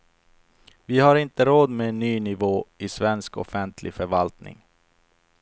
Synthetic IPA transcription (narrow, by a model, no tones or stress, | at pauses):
vɪhaɾɪnt̪əɾoːd̪menːyːnɪvoːɪsvɛnskɔ̰fɛnt̪ʰlʔɪ̰fœɾvalt̪nɪ̰ŋ